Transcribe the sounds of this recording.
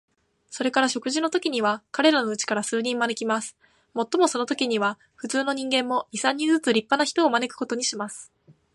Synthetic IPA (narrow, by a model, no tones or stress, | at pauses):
so̞ɾe̞kaɾaɕo̞kɯ̟ʑino̞t̪o̞kʲiɲ̟iβakaɾe̞ɾano̞ɯ̟t͡ɕi̥kaɾasɨːɲ̟ĩmmane̞kʲimasɨ̥ | mo̞t̪ːo̞mo̞so̞no̞t̪o̞kʲiɲ̟iβa | ɸɯ̟t͡sɨːno̞ɲ̟ĩŋɡẽ̞mːo̞isãɲ̟ːĩnd͡zɨt͡sɨɾʲipːanaçi̥t̪o̞ːmane̞kɯ̟̥ko̞t̪o̞ɲ̟iɕimasɨ̥